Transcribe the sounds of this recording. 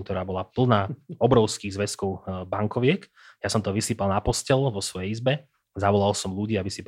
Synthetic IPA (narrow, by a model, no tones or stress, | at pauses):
k̚t̪ɔɾaːbɔlapl̩ˠnaɔbɾɔʊskiːɣzʋɛskɔʊbaŋkɔʋɪɛk | jasɔmt̪ɔʋisiːpalˠnapɔscɛlʋɔsʋɔjɛizbɛ | zaʋɔlalsɔmluɟiːaʋisip